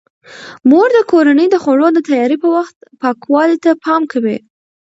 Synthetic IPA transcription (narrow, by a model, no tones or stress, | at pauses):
moɾd̪əkoɾanəjd̪əxoɽod̪ət̪ajɑɾipəwaxt̪̚pɑkwɑlit̪apʰɑmkʰawi